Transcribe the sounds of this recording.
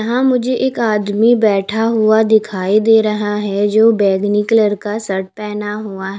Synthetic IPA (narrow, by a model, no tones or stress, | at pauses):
ɦãmʊd͡ʒʱeʔeːkaːd̪mibɛːʈʰaɦuad̪ɪkʰaːid̪eːɾɐɦaɦɛd͡ʒoːbɛːɡnɪkləɾkasɐʈ̚pɛːnaɦuaɦ